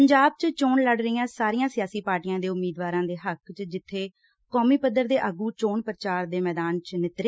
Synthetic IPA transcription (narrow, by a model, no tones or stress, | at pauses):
əɲd͡ʒaːb̚t͡ʃt͡ʃoːɳləɖɾəiːãːsaːɾiːãːsɪjaːsiːpaːɾʈijãːd̪eːʊmːiːd̪ʋaːɾãːd̪eːɦəkt͡ʃd͡ʒɪt̪ʰːeː | kɔːmiːpəd̪ːəɾd̪eːʔəɡuːt͡ʃoːɳpəɾət͡ʃaːɾd̪eːmɛːd̪aːnt͡ʃnɪt̪ɾeː